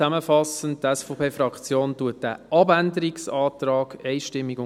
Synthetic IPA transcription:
æməfɑsəntdɛsfɔpʰeːfɾɑkt͡sjoːntuət̚d̥æ̰ːʔɑbændəɾiksɑːt̪ɾɑːɡ̥ɛɪʃtɪmːiɡʊ

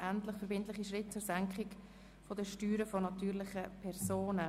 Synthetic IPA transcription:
ʔæntlɪχfɛɾbɪntlɪχiʃʁɪt̚t͡sʊɾsæŋkχɪk | fodəʃtyːɾəfɔnɑtyːɾlɪχəpʰɛɾsoːnə

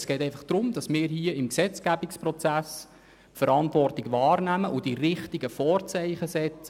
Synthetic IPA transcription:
sɡ̥ɛːtɛɪfɑχd̥ɾʊmd̥̪ɑsmɪːɾhiəɪmksɛt͡sɡ̥æbikspɾɔt͡sæs | fəɾɑnt̪ʋɔrtɪɡʋɑːrnæməʔʊd̥iɾɪχtiɡəfɔːrt͡sɛɪχəsɛt͡sə

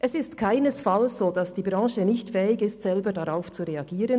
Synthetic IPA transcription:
ʔɛsɪstkʰaɪnəsfalsz̥oːd̥asd̥iːbʁɑ̃ːʃənɪçtfɛːɪɡɪstz̥ɛlbədaʁaʊft͡suʁeaɡiːɾən

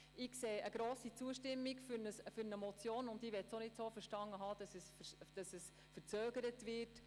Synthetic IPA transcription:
ɪkseːəɡ̥ɾoːsit͡suəʃtɪmːikfynəsfʏɾnəmɔt͡sjoːnʊndiːʋɛtsonɪtsoːfəɾʃtɑŋːəɦɑːd̥ɑsɛsd̥ɑsəs | fəɾt͡søːɡəɾətʋɪɾt

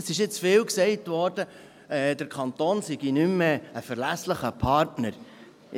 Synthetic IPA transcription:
əsɪʃɪt͡sfɪːwksɛɪtʋɔːɾdə | ɛd̥əɾkʰχɑnt̪oːnsiɡinymːeəfəɾlæsləχəpʰɑɾtnəɾ

